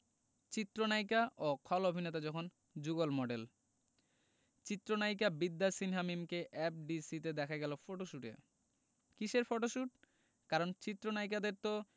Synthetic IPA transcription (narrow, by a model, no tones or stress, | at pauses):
t͡ɕit̪ːɾonajkaʔokʰɔlobʱinet̪ad͡ʑɔkʰon | d͡ʑuɡolmɔɖel | t͡ɕit̪ːɾonajk̬abid̪ːasinɦamimkeʔɛp̚ɖisit̪ed̪ɛkʰaɡɛlofoʈoʃuʈḛɾ | kiʃeɾfoʈoʃuʈ̚ | kaɾont͡ɕit̪ːɾonajk̬ad̪eɾt̪o